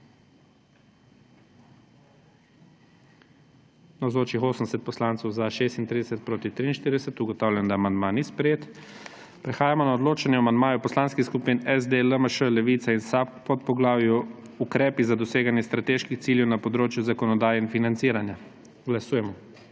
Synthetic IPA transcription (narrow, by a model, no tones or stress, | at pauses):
nawzoːt͡ʃixoːsənd̪ɛsɛt̪̚pɔslaːnt̪sɔwzaʃeːst̪int̪ɾiːd̪ɛsɛt̪̚pɾoːt̪it̪ɾiːnʃt̪iːɾd̪ɛsɛt̪uɡɔt̪awlʲjand̪amand̪manispɾɛjeːt̪ | pɾɛxaːjamɔnaɔd̪loːt͡ʃanjɛamand̪maːjɔpɔslaːnskixskupinɛzd̪eləməʃəlɛʋit̪sainsappɔt̪pɔɡlaːwjɔukɾɛːpizad̪ɔseːɡanjɛst̪ɾat̪eːʃkixt̪siːljɛwnapɔd̪ɾoːt͡ʃjuzakɔnɔd̪aːjɛinfinant̪siːɾanja | ɡlasuːjɛmɔ